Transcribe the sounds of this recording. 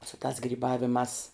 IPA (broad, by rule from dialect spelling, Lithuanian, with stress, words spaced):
sʊ tɑːs ɡrʲiːˈbɑːʋʲɪmɑːs